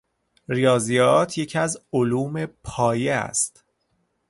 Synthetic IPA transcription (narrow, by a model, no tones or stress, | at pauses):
ɾijɒːzijɒːt̪ʰje̞cʰæzoluːme̞pʰɒːjeæ̰st̪